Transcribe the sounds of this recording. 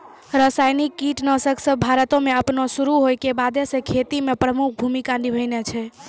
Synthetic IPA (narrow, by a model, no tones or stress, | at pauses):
ɾəsajnikːiʈnəsəksəbbʱaɾət̪õmeəpnosuɾuɦojkebad̪esẽkʰet̪imepɾəmuk̚ʰbʱumikanibʱəjnet͡ʃʰɛ